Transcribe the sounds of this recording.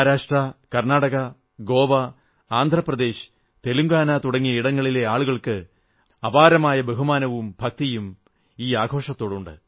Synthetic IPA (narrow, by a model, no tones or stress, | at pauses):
ɾaːʂʈrɐkɐrnaːɽɐɣɐ | ɡo̞ːʋɐ | aːnd̪ʱrɐprɐd̪e̞ːɕɨ̥ | t̪e̞luŋɡaːnat̪uɽɐŋːijɐiɽɐŋːɐɭile̞aːɭuɣɐɭkɨ | ɐbaːɾɐmaːjɐbe̞ɦumaːnɐʋumbʱɐk̚t̪ijum | iːaːɡʱo̞ːʂɐt̪ːo̞ːɽuɳɖɨ̰